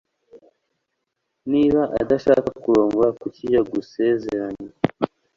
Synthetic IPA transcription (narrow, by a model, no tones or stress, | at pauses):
niːβaʔa̰daʃaːkakuɾo̞ːŋɡoɾakucijaɡuse̞ːzeɾaɲa